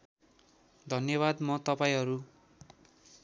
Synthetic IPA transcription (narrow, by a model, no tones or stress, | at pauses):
d̪ʱʌnjʌβad̪mʌt̪ʌpaĩɦʌɾu